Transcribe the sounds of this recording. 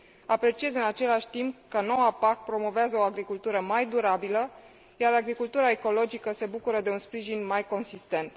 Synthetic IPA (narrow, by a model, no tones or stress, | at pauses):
apɾe̞t͡ʃie̞zɨnat͡ʃe̞laʃʲt̪impkəno̞wapakpɾo̞mo̞veazəoaɡɾikult̪uɾəmajd̪uɾabilə | jaɾaɡɾikult̪uɾae̞ko̞lo̞d͡ʒikəse̞bukuɾəd̪e̞unspɾiʒinmajko̞nsist̪e̞nt̪